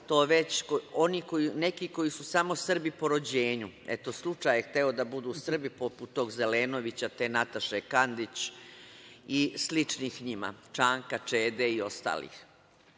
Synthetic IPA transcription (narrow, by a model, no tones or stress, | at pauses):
t̪o̞ːʋe̞t͡ɕo̞nikoinekiko̞jisusamo̞sr̩bipo̞ɾo̞d͡ʑeːɲuḛt̪oslˠut͡ʂaːjext̪eod̪abud̪uːsr̩bipoput̪ːo̞ːɡzeleːno̞ʋit͡ɕat̪enat̪aʃekand̪it͡ɕ | islit͡ʂniːxɲima̰t͡ʂaːŋkat͡ʂeːd̪eio̞st̪a̰ːlḭːx